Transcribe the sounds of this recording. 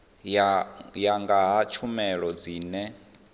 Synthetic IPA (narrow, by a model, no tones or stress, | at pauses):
jaŋɡaɦat͡ʃʰumɛɺɔd͡ziːnɛ